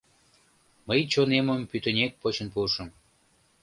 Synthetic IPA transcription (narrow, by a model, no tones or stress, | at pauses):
məjt͡ɕoneməmpyt̪ənʲek̚pot͡ɕənpuʃəm